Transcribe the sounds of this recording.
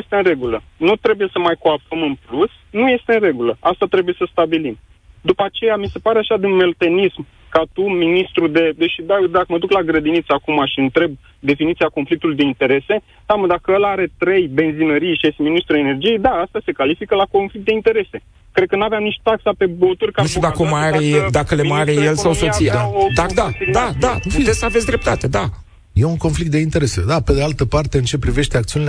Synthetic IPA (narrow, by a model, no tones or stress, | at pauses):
est̪eɨnre̞ɡulənut̪ɾe̞buje̞səmajkoappəmɨnplus | nuje̞st̪e̞ɨnre̞ɡuləast̪at̪ɾe̞buje̞səst̪abilim | d̪upat͡ʃe̞jamise̞paɾeaʃad̪inme̞lot̪e̞nism | kat̪uminist̪ɾud̪e̞d̪eʃid̪aod̪akəməd̪uklaɡɾəd̪init̪sakumaʃiɨnt̪ɾe̞b̚ | d̪e̞finit̪siako̞nflik̚t̪ulujd̪e̞int̪e̞ɾe̞se̞ | saməd̪akəəlaaɾe̞t̪ɾe̞jbe̞nzinəɾijʃeseminist̪ɾue̞ne̞rd͡ʒije̞jd̪aast̪ase̞kalifikəlakonflik̚t̪d̪eint̪e̞ɾe̞se̞ | kɾed̪̚kənuaveamnit͡ʃt̪aksape̞bot̪urʲkanuʃt̪ed̪akomaɾeed̪akəlemaɾejelsawso̞t̪sijad̪ad̪ad̪ad̪afid̪esavet̪sʲd̪ɾe̞p̚t̪at̪e̞d̪a | je̞uŋko̞nflikt̪̚d̪e̞int̪e̞ɾe̞se̞̰d̪ape̞d̪ealt̪əpart̪e̞ɨnt͡ʃe̞pɾive̞ʃt̪e̞akt̪iunil